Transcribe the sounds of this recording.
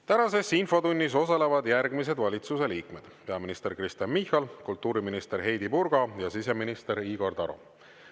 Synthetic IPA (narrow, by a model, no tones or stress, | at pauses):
t̪ænɑse̞sinfo̞t̪unʲːis̬o̞sɑle̞vɑd̪jærɡmis̬e̞d̪vɑlʲit̪suse̞liːkme̞d̪̥pe̞ɑminist̪e̞ɾkrist̪ɑnmihˑɑlkult̪ːˑuːɾiminist̪eɾɦe̞jd̪ipuɾɡ̥ɑjɑsise̞minist̪e̞ɾiːɡ̥o̞rd̪ɑɾo̰